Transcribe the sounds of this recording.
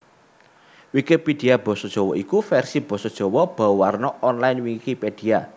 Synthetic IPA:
wikipid̪̥iab̥ɔ̤sɔd̥ʒ̥ɔ̤wɔikufɛrsib̥ɔ̤sɔd̥ʒ̥ɔ̤wɔb̥awarnɔʔɔnlajnwiŋikiped̪̥i̤a

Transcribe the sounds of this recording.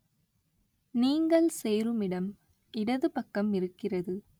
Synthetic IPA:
niːŋɡɐɭseːɾɯmɪɽɐm | ʔɪɽɐðɯpɐkːɐmɪɾɯkːɪrɐðɯ

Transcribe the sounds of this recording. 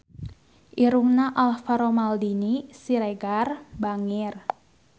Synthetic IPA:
ʔiɾuŋnaʔalfaɾomaldinisiɾeɡarbaŋɪr

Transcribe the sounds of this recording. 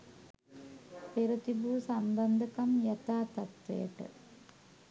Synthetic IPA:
peɾut̪ibuːsɐmbɐnd̪ʱɐkɐmjɐt̪aːt̪ɐt̪ʋḛːʈːɨ̰

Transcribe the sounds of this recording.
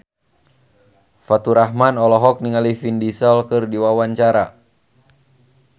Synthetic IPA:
fat̪uɾaɦmanɔlɔɦɔk̚niŋalifindisɔlkɨrdiwawaɲt͡ʃaɾa

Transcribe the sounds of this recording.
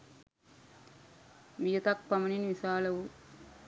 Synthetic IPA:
mijɐt̪ɐk̚pɐmɐninʋisaːlɐʋu

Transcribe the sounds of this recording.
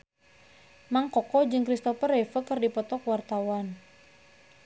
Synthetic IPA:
maŋkɔkɔd͡ʒɨŋkɾist̪ɔfərɛfəkɨrdipɔt̪ɔkwart̪awan

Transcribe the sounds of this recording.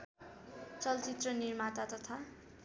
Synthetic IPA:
t͡sʌlt͡sit̪rʌnirmat̪at̪ʌt̪ʰa

